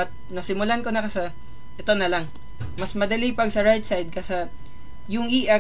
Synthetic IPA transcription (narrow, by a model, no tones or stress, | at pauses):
ɐt̪̚nɐsɪmʊlankonɐkɐsɐ | ʔɛt̪o̞nɐlɐŋ | mɐsmɐd̪ɐlipɐɡ̚sɐɹajt̪̚sajd̪̚kɐsa | jʊŋiʔa